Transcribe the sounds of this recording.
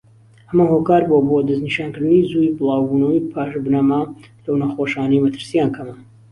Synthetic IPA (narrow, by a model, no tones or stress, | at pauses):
ʔɐmahokaːɾbobod̪ɐzniʃaːnkɨɾd̪ɨnizujbɨlˠɑːwbuːnɐwijpʰaːʃbɨnamalɐwnaxoʃaːnɐjmɐt̪ʰɨɾsijaːnkʰɐmɐ